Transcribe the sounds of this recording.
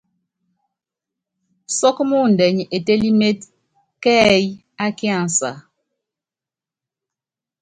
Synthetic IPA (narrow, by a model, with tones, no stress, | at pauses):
sɔ˦kmu˦˨n̩˨dɛ˨ɲ˨e˨te˦li˦me˦t̚ | kɛː˦j | a˦ki˦a˦˨n˨sa̰˨